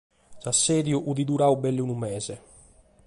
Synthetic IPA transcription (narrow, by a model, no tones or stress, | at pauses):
sasːɛːðjuʔuðid̪uɾaːubɛlːunumɛːzɛ